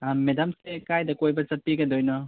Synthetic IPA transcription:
amedamsekajdɐkojbɐt͡ʃɐpːiɡɐdojnɔ

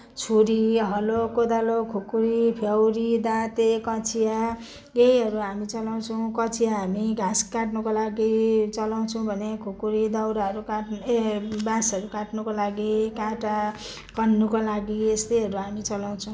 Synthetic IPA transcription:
t͡sʰuɾiɦʌlokod̪alokʰukuɾipʰjʌwɾid̪ãt̪ekʌt͡sʰija | ɡejɦʌɾuɦamit͡sʌlaw̃t͡sʰʌw̃kʌt͡sʰijaɦamiɡʱãskãʈnukolaɡit͡sʌlaw̃t͡sʰʌ̃w̃bʱʌnekʰukuɾid̪ʌwɾaɦʌɾukaʈ | bãsʌɾukãʈnukolaɡikãʈa | kʌnːukolaɡiest̪ejɦʌɾuɦamit͡sʌlaw̃t͡sʰʌ̃w̃

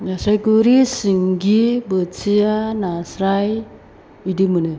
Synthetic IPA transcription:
nasɾajɡuɾisiŋɡibət͡sijanasɾaj | idimɯnɯ

